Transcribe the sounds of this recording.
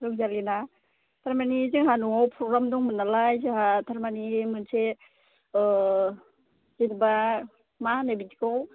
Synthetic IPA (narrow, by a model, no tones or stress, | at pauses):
ɾuŋzalina | tʰaɾmaniziŋɦanuŋawpʰɾɔɡɾamdɔŋmɯnalajsehatʰaɾmanimɯnsʰe | zinba | manabitikaw